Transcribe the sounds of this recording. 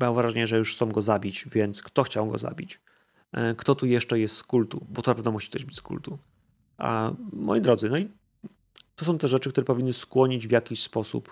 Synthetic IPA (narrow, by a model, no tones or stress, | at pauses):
bawvɾaʐɛɲɛʐɛjuʂxt̪ɔ̃w̃ɡɔzabʲit͡ɕvʲjɛnt̪skt̪ɔxt͡ɕawɡɔ̰za̰bʲit͡ɕ | kt̪ɔt̪ujɛʂt͡ʂɛjɛst̪skult̪ubɔt̪ɔnapɛvnɛmuɕi̥kt̪ɔʑbɘ̥t͡ɕʲskṵlt̪u | ʔa̰mɔ̰jid̪ɾɔd̪zɘnɔi | t̪ɔsɔ̃w̃t̪ɛʐɛt͡ʂɘk̚t̪uɾɛpɔvʲinːɘskwɔɲid͡ʑvʲjakʲiɕspɔsṵp